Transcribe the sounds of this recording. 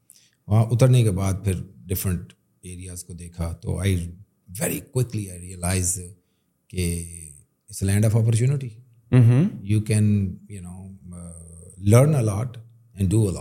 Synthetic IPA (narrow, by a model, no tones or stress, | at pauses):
ʋɐɦãʔʊt̪əɾnekebaːd̪̚pʰɪɾɖɪfɾə̃ɳʈ | eːɾijazkod̪eːkʰat̪o̰ːa̰ɪ | ʋɛɾikwɪkliaɪɾiəlaːɪz | ke | ɪslɛ̃ːɳɖɔːfɔːp̬əɾt͡ʃuːnɪʈi | ɦ̩juːkɛ̃njunoː | ləɾnəlɔːʈ | ɛ̃ɳɖɖuːəlɔ̰ː